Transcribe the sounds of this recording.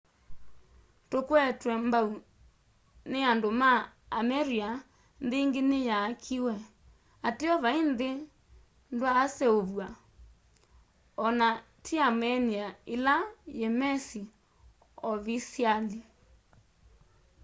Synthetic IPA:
tokwɛtwɛmbau | neandomaːmɛɾia | nðeiŋɡenejaːkʰiwɛ | ateɔβainðe | ndwaːsɛoβwa | ɔna | tʰiamɛniaelajɛmɛsi | ɔβisiali

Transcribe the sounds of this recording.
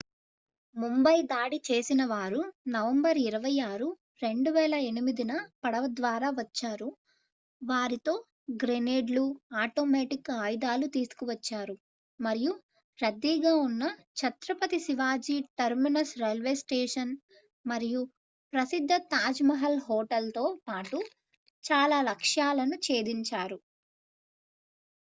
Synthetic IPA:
mumbɐjd̪aːɽit͡ʃeːsinɐʋaːɾunɐʋɐmbɐɾiɾɐʋɐjaːɾu | ɾe̞ɳɖuʋɛːlɐe̞nimid̪inɐpɐɽɐʋɐd̪ʋaːɾaːʋɐt͡ʃːaːɾu | ʋaːɾit̪o̞ː | ɡɾeneːɖluaːʈoːmɛːʈikaːjd̪aːlut̪iːsu̥kuʋɐt͡ʃːaːɾu | mɐɾiju | ɾɐd̪ːiːɡaːunːɐ | t͡ʃʰɐt̪ɾɐpɐt̪isiʋaːd͡ʒiːʈɐɾminɐsɾelʋeːsʈeːʂɐn | mɐɾiju | pɾɐsid̪ʱːɐt̪aːd͡ʒmɐɦɐlɦoːʈɐlt̪o̞ːpaːʈu | t͡ʃaːlaːlɐkʂjaːlɐnut͡ʃe̞ːd̪iɲt͡ʃaːɾu

